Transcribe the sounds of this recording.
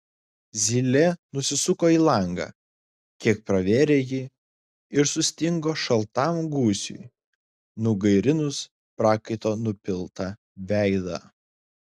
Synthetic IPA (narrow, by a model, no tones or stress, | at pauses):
zʲilʲɛnʊsʲɪsʊkoːiːlˠɑˑŋɡɑ̰ː | kʲiɛk̚pɾɐʋʲeːɾʲeːji | ɪɾsʊsʲt̪ʲɪŋɡoːʃɐlˠt̪ɑmɡuːsʲʊ̰j | nʊɡɐɪɾʲɪnʊs | pɾɑːkɐɪt̪oːnʊpʲɪlˠt̪ɑ | ʋʲæˑɪd̪ɑ̰ː